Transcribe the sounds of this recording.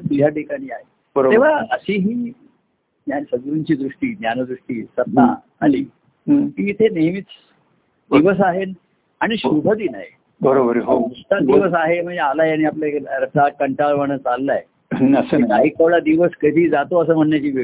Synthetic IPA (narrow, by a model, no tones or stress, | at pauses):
t̪ud͡ʑʱjaʈikaɽ̃iːaɦe | bəɾoeʋ̤aəɕiɦiː | jansəŋɾuɲt͡ɕiːd̪ɾuʂʈiːnjanəd̪ɾuʂʈiːsət̪na̰ | a̰liː | kĩit̪ʰenemit͡s | d̪iʋəs̬aɦen | aɽ̃iɕubʱəd̪iːnaɦji | bəɾobəɾɦoust̪ad̪iʋəs̬aɦem̤əɳd͡zealajaɽ̃iapljaekɾət̪akəɳʈaʋʋaɽ̃ət͡salːaj | əsəiaɦikəʋɭad̪iʋəskəd̪ʱiːd͡zat̪oəs̬əːm̤əɳjat͡ɕiːʋe